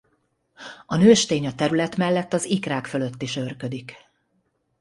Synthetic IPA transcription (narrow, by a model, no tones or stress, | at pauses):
ɒnøːʃt̪eːɲɒt̪ɛɾylɛt̪mɛlːɛt̪ːɒzikraːkfø̞lø̞t̪ːiʃø̞rkød̪ik